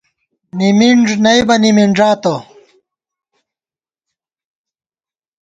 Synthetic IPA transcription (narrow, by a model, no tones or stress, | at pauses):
nimiɳʐnɐjbɐnimiɳʐaːt̪o